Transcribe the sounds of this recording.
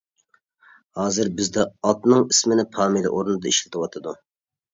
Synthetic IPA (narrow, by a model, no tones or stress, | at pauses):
hɑːzɨɾbɪzd̪ɛɑt̪nɨŋismɪnɪpʰɑːmilɪ̰ʔoɾunɨd̪ɑiʃlɪt̪ʰɨwɑt̪ʰɨd̪u